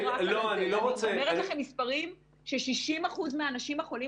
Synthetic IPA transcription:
aloaniloʁot͡seeʁelaχemːispaʁim | ʃeʃiʃimaχuzmeanaʃimaχo̞li

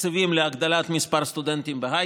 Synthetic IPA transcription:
səvimleaɡd̪alʲat̪mispaɾst̪ud̪ent̪imbeɦa

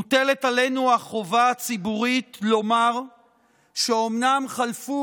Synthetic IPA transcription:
utele̞tale̞nuaχo̞vaːt͡sibuʁitlo̞maʁ | ʃeo̞mnamχalfu

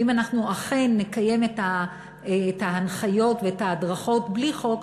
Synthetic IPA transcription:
imanaχnuaχenːekaje̞meta | taanχajo̞tveetadʁaχo̞tbliχo̞k

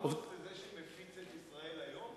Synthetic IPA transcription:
ovezeʃemefit͡set̪isʁaelajom

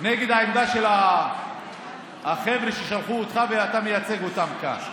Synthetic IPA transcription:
neɡe̞d̪haemd̪aʃe̞la | χevɾeʃeʃalχuot̪χaveat̪amejat͡seɡot̪amka̰n

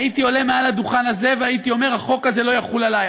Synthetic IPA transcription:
it̪io̞le̞mealad̪uχanaze̞veait̪io̞me̞ʁhaχo̞kaze̞lo̞jaχulalaj

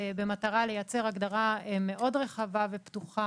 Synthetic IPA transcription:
be̞mataʁale̞jat͡se̞ʁaɡdaʁaeme̞ʔo̞dʁe̞χavave̞ptuχa

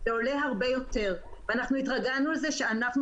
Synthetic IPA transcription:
zeo̞le̞ɦaʁbe̞jo̞t̪e̞ʁveanaχnuit̪ʁaɡanualze̞ʃe̞anaχn

